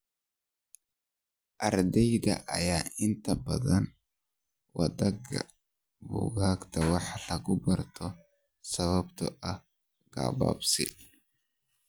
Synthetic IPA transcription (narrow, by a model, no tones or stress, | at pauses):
ʔɐɾd̪ɛjd̪ɐ̰ʔɐjaːɪnt̪ɐbɐðɐn | wɐ̰d̪ɐɡɐ | bʊ̰ɡaːkt̪ʰɐwɑħlɐɡʊbɐrt̪ʰɔ | sɐβɐbt̪ɔʔɐ | ɡ̥a̰ːba̰ːbsɪ